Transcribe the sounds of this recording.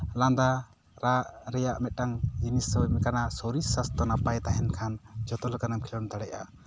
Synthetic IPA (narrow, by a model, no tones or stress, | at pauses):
land̪a | ɾaʔɾɛjaʔmɛt̪̚ʈaŋd͡ʒinisəwmɛkanasoɾisːast̪ɔnapajt̪aɦɛnkʰand͡ʒɔt̪ɔlkanamkʰilɔnt̪aɽɛʔa̰